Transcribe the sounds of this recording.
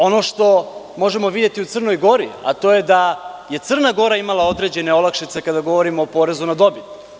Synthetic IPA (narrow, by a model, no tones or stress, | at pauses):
o̞no̞ʃt̪o̞ | mo̞ʒe̞mo̞ʋid̪je̞t̪iut̪sr̩no̞jɡo̞ɾḭa̰t̪o̞je̞d̪aje̞t̪sr̩naɡo̞ɾaimalao̞d̪ɾe̞d͡ʑe̞neo̞lakʃit̪se̞kad̪aɡo̞ʋo̞ɾimoːpo̞ɾe̞zunad̪o̞bit̪